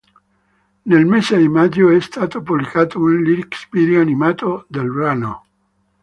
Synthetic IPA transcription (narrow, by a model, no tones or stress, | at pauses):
nelmesed̪imad͡ʒːoɛst̪aːt̪opublikaːt̪ounliɾikspid̪joanimaːt̪od̪elbɾano̰